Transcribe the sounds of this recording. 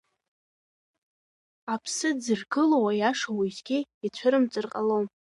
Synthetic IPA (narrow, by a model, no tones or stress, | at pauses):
apʰsɨd͡zɨrɡɨlowajaʂawizɡʲiit͡ɕʷʰaɾɨmt͡sʼɨrqʼalowm